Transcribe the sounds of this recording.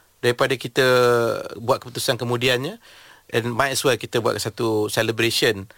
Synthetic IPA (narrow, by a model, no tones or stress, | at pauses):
daɾipadakit̪ə | buat̪̚kəput̪usankəmũdianɲə | ʔɛ̃nmãjɛswɛlkit̪əbuaʔ̪kasat̪usɛləbɾeʃən